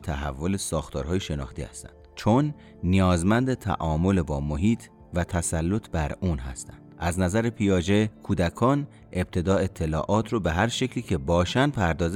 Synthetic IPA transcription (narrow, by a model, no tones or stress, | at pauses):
t̪ʰæɦæ̰vːolesɒːxt̪ʰɒːɾhɒːjeʃe̞nɒ̰ːxt̪ʰihæ̰st̪æ̰nd̪̥t͡ʃʰonː | ijɒːzmænd̪et̪ʰæ̰ʔɒːmo̞lebɒːmoɦiːt̪ʰ | væt̪ʰæsælːot̪ʰbæɾuːnɦæst̪æ̰nd̪̥æznæzæɾepʰijɒːd͡ʒe̞kʰuːd̪ækʰɒːn | ʔe̞b̚t̪ʰe̞d̪ɒːe̞t̪ʰːe̞lɒːʔɒːt̪ʰɾɔbeɦæɾʃecʰliːcʰe̞bɒːʃænd̪pʰæɾd̪ɒːz